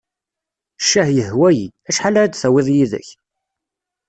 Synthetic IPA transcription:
ʃːæhjəɦwæjḭæʃħalaɾad̪θæwɪðˤjiðə̰ç

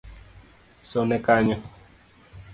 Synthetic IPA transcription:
sɔnɛkaɲɔ

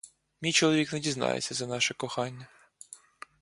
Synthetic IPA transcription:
mʲijt͡ʃɔlˠɔʋʲiknedʲiznɑ̰jḛt͡sʲːɐzɐnɑʃɛkɔxɑnʲːɐ

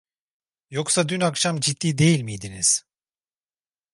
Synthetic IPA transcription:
joksad̪ynakʃamd͡ʒit̪ʰːiːd̪e̞jilʲmijd̪iniz̥

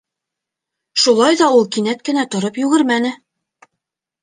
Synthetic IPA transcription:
ʃulˠɑjðɑulˠkinæt̪̚kɘ̆næt̪ŏɾɤpjʉɣɘɾmænɘ

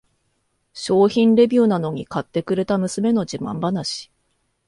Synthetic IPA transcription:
ɕo̞ːçĩnɾe̞bʲɯːnano̞ɲ̟ikat̪ːe̞kɯ̟ɾe̞t̪amɯ̟sɨme̞no̞d͡ʑimã̰mbanaɕi̥

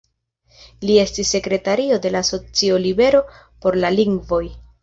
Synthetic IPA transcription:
lie̞stisːe̞kɾe̞taɾio̞de̞laːso̞t͡siolibe̞ɾo̞ | po̞ɾlaliŋɡvo̞j

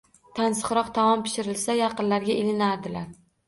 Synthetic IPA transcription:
t̪ʰansɨ̥qɾɒqt̪ʰamɒmpʰɪ̥ʃɪɾɪlsajɑqɨnlaɾɡʲaɪlɪnaɾd̪ɪlaɾ

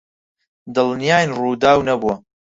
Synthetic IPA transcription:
d̪ɨlnijaːjnruːd̪aːwnɐbuɐ

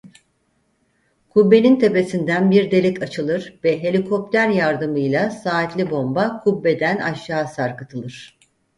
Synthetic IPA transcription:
kʰubːe̞nint̪ʰe̞pe̞sind̪ænbiɾd̪e̞lʲɛcat͡ʃʰɯlˠɯɾvɛɦe̞lʲikʰo̞plʲæɾjaɾd̪ɯmɯjlˠasaːt̪lʲibo̞mbakʰubːe̞d̪æna̰ʃːaːsaɾkɯt̪ʰɯlˠɯɾ̝̥

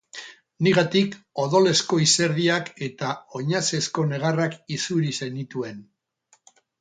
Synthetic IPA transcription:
niɣat̪iko̞ðo̞le̞sko̞ise̞ɾð̞iake̞t̪ao̞ɲase̞sko̞ne̞ɣ̞arakisuɾise̞nit̪ue̞n

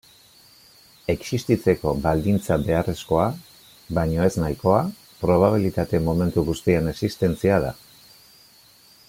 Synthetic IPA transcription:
e̞ksist̪it͡se̞ko̞bald̪int͡sabe̞are̞sko̞a | βaɲo̞e̞znajko̞a | pɾo̞β̞aβ̞ilit̪at̪e̞mome̞nt̪uɣust̪iene̞sist̪e̞nt͡siað̞a̰

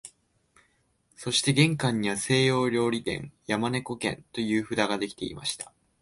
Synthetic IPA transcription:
so̞ɕi̥t̪e̞ɡẽ̞ŋkãɲ̟ːiβase̞ːjo̞ːɾʲo̞ːɾʲit̪ẽ̞̰njamane̞ko̞kẽ̞̰nt̪o̞jɯ̟ːɸɯ̟d̪aɡad̪e̞kʲi̥t̪e̞ḭma̰ɕi̥t̪ḁ

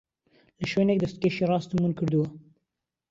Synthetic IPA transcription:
ləʃwenek̚d̪ɐst̪̚keʃeɾɑːst̪munkʰɨɾd̪uwa

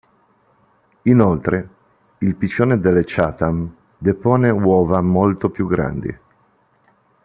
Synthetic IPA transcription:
inolt̪ɾe | ilpit͡ʃːoːned̪elːet͡ʃaːt̪am | d̪epoːnewɔːvamolt̪opjuɡːɾa̰nd̪ḭ

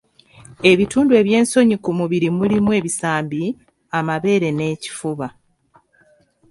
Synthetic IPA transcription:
e̞βituːndue̞ːβje̞ːnso̞ɲikumuβiɾimulimwe̞ːβisaːmbi | amaβe̞ːɾe̞ne̞ːci̥fuβa

